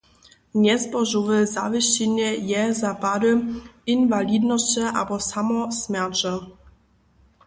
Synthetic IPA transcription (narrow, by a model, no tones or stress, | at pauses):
ɲɛspɔʐuvəza̰vɪɕɛɲɛjɛzapad̪əinvalʲid̪nɔɕt͡ɕɛʔa̰bɔsamɔsmʲjat͡ʃɛ